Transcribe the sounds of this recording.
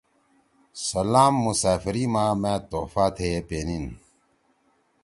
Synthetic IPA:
sɐlaːmːusaːfiɾiːmãːmẽːt̪oːfaːt̪ʰeːpeːnin

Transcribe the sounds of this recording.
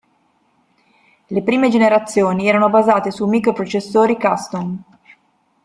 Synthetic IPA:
lepɾiːmed͡ʒeneɾat̪sːjoːniɛːɾanobazaːt̪esumikɾopɾot͡ʃesːoːɾikast̪on

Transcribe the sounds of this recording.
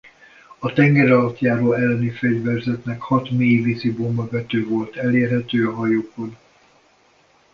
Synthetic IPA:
ɒt̪ɛŋɡɛɾɒlɒt̪jaːɾoːɛlːɛnifɛɟvɛrzɛt̪nɛkhɒt̪meːjvisibombɒvɛt̪øːvo̞lt̪ɛleːrɦɛt̪øːɒɦɒjoːko̞n

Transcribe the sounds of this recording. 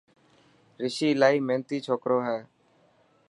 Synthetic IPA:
ɾɪʃiːlaːiːmẽːnt̪iːt͡ʃʰoːkɾoːɦɛː

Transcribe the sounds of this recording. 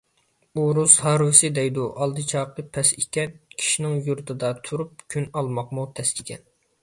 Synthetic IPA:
uɾushɑɾwɨsɨd̪ɛjd̪uʔɑlˠd̪ɨt͡ʃʰɑːq̪əpʰɛsikʲɛnkʲʰi̥ʃinɪŋjuɾt̪ʰɨd̪ɑt̪ʰuɾup̚kʲʰynɑlˠmɑqmut̪ʰɛslɪkʲʰɛ̰n

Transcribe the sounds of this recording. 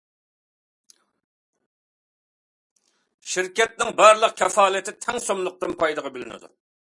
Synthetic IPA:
ʃɪɾkʲɛt̪̚nɪŋbɑɾlˠəq̚kʲʰɛfɑːlˠɨt̪ʰɪt̪ʰɛŋsomlˠʊq̚t̪ɨnpʰɑjd̪əʁɑbɪlɪnɪ̰d̪ṵ

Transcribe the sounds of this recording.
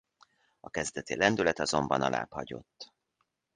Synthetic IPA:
ɒkɛzd̪ɛt̪ilɛnd̪ylɛt̪ɒzo̞mbɒnɒlʔa̰ːphɒɟo̞̰t̪ː

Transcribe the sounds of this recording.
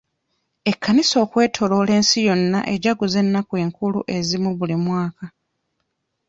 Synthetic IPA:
e̞kʰːaniso̞ːkwe̞ːtʰo̞lo̞le̞ːnsijo̞nːa̰ʔeɟaɡuze̞nːakwe̞ːŋkulṵʔe̞zimuβulimwaːka

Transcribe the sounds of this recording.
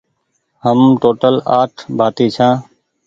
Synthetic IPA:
ɦəmʈoːʈəlaːʈʰbʱaːt̪iːt͡ʃʰãː

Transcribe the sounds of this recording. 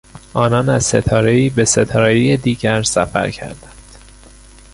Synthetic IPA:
ʔɒːnɒːnæz̥se̞t̪ʰɒːɾe̞iːbese̞t̪ʰɒːɾejijed̪iːɟæɾsæfæ̰ɾcʰæ̰ɾd̪ænd̪̥

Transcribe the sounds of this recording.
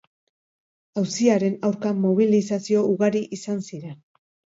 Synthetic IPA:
awsiaɾe̞nawɾkamo̞β̞ilisasio̞uɣaɾiʔisansiɾe̞n

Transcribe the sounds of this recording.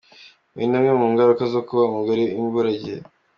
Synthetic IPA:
mḭnamɲemuːŋɡaɾukazokuβamuɡaɾiiɱvuɾaɟḛ

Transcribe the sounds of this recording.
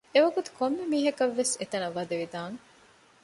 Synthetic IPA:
eʋɐɡut̪u̥komːemiːɦɐkɐʋːeset̪ɐnɐʋːɐd̪ɐʋid̪aːŋ

